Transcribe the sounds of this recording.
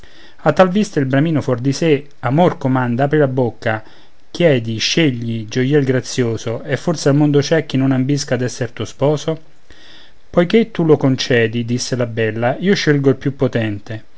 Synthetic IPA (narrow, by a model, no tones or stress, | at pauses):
at̪ːalvist̪ailbɾamiːnofɔrd̪ise | amorkomand̪aaːpɾilabokːa | kjɛːd̪iʃːeʎːid͡ʒojɛlɡɾat̪sːjoːsoefːorsealmond̪ot͡ʃɛk̟ːinːonambiskad̪ɛsːert̪uospɔːso | pojket̪ːulokont͡ʃɛːd̪id̪isːelabɛlːaiːoʃːelɡoilpjupːot̪ɛnt̪e